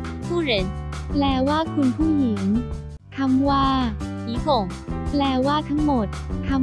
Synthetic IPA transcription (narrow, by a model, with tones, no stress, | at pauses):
kʰuː˥˩ɾə˨˦nplɛː˨˧˩waː˥˩kʰu˧npʰuː˥˩ji˨˩˦ŋ | t̪ʰa˧mwaː˥˩ | iː˨˦kʰo˨˩ŋ | plɛː˧˩waː˥˩t̪ʰa˦˥ŋmo˨˩t̪̚ʰːa˧˥